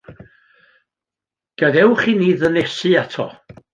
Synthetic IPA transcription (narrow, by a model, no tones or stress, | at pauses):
ɡ̥ədɛwχiːniːðənɛsɨatʰɔ̰